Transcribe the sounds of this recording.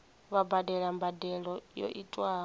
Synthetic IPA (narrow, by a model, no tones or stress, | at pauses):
βabadɛɺambadɛɺɔjɔ̰ʔitʼwaː